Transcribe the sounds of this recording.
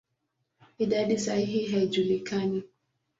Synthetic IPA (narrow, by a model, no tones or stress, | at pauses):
idadisaiɦiɦɛd͡ʒulikaɲɪ